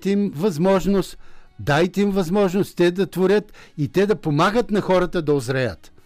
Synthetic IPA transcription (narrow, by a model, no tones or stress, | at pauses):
t̪imvɐzmɔʒnost̪d̪ajt̪ɛimvɐzmɔʒnost̪t̪ɛd̪ɐt̪voɾʲət̪it̪ɛd̪ɐpomaɡət̪nɐxɔɾɐt̪əd̪ɐozɾɐjət̪